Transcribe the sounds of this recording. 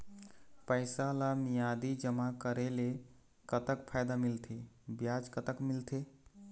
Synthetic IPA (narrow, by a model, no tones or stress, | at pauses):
pəɪsalamijad̪id͡ʒəmakəɾele | kət̪əkpʰajd̪amilt̪ʰebjad͡ʒkət̪əkmilt̪ʰe